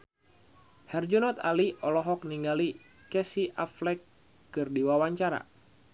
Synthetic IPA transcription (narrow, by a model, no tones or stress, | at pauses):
hɛrd͡ʒunɔt̪a̰liɔlɔɦɔk̚niŋɡali | kɛsiʔaflɛkː | ɨrdiwawaɲt͡ʃaɾa̰